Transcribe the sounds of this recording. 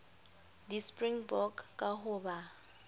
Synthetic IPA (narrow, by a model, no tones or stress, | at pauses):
dispʼriŋbɔkkʼahʊːba